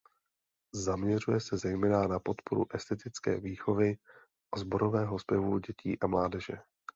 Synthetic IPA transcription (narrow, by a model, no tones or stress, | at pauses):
zamɲɛrujɛsɛzɛjmɛːnanapo̞t̪po̞ɾṵʔɛst̪ɛt̪ɪt͡skɛ̰ːviːxo̞vɪ | ʔazbo̞ɾo̞vɛːɦo̞spjɛvuɟɛcʰiːʔamlaːdɛʒɛ̰